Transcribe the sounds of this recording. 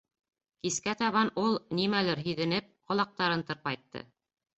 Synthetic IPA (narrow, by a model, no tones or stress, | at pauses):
kiskæt̪ɑβɑnulˠnimælɘɾɦiðɘ̆nɘp̚qŏlˠɑq̚t̪ɑɾɤnt̪ɤ̆ɾp̚ɑjt̪ːɤ̰